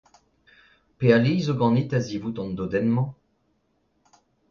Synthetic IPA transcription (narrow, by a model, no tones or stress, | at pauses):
pealijzoɡɑ̃nit̪azivut̪ɑ̃nd̪od̪ɛnmɑ̃